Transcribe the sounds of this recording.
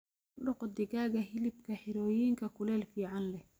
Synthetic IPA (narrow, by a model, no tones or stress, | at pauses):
ɖɔqd̪ɪɣaːɣɐɦɪlɪb̚kʰɐħɪɾɔːjiːŋkʰɐkʰʊlɛːlfiːʕɑnlɛ